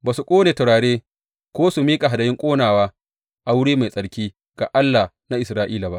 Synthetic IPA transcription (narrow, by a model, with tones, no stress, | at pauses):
baː˨su˨kʷʼoː˦neː˨tɐ˨ɽaː˨ɽeː˦ | kʷoː˦su˨miː˦kʼa˨ɦa˨dɐ˨jɪ˦ŋkʷʼoː˦naː˨waː˦ | ʔa˨wʊ˦ɽeː˦ma˨sʼɐ˨ɽkʲiː˦ | ɡ̥a˨ʔa˦lːaː˨ | na˦ʔɪ˨sɾaː˦ʔiː˦la˨ba̰˦ʔ